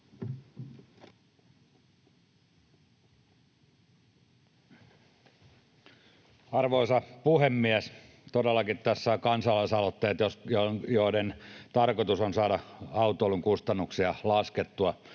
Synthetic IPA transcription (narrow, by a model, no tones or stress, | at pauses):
ɑrʋoisɑpuhemːiæs | t̪odelːɑkit̪t̪æsːækɑnsɑlɑisɑlot̪ːeːt̪josjojoːdent̪ɑrkot̪usonsɑːdɑɑut̪ˑoːluŋkust̪ɑnːuksiɑlɑsket̪ːuɑ